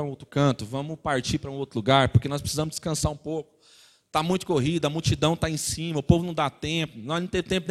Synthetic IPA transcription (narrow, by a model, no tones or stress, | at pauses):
owt̪ɾʊkɐ̃t̪ʊvɐ̃mʊpaɾt͡ʃipɾɐũowt̪ɾʊluɡaɾpoɾkenɔspɾe̥sizɐ̃mʊzd͡ʒɪ̥skɐ̃saɾũpowkʊ̥ | t̪amũj̃t̪ʊ̥koɦid̪ɐɐmuwt͡ʃid̪ɐ̃w̃t̪aẽsĩmɐʊpovʊnɐ̃w̃d̪at̪ẽpʊnɔnẽt̪ẽvt̪ẽpʊn